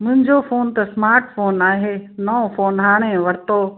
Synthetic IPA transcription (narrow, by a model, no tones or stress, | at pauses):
mʊ̃ɦɪ̃ɲd͡ʑofoːnt̪ɐsmaːɾʈfoːnaːɦeːnɔːfoːnɦaːɽ̃ẽʋɐɾt̪oː